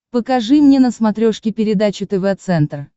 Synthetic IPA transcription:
pəkɐʐɨmnʲenəsmɐt̪ɾʲoʂkʲɪpʲɪɾʲɪd̪at͡ɕʊt̪ɛvɛt̪sɛnt̪r

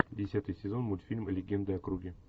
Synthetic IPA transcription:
dʲɪsʲat̪ɨjsʲɪzo̞nmulʲfʲilʲmlʲɪɡʲend̪əɐkɾuɡʲɪ

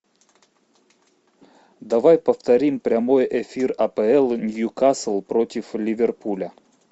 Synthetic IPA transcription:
d̪avajpəft̪ɐɾʲimpɾʲɐmojʔɛfʲirɐpəɛlˠnjukaslˠpɾotʲɪflʲɪvʲerpulʲə

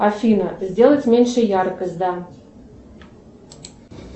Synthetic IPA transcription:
afʲinəzʲdʲelˠətʲmʲenʲʂə̆jɑrkəzʲd̪ɑ

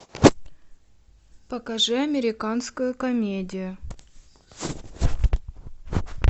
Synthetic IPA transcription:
pəkɐʐɨɐmʲɪɾʲɪkanskʊjʊkɐmʲedʲɪjʊ

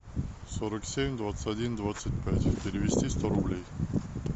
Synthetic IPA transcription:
soɾəksʲemʲd̪vat̪sə̥tʲɐdʲind̪vat̪sɨt̚ʲpʲætʲpʲɪɾʲɪvʲɪsʲtʲist̪oɾʊblʲej

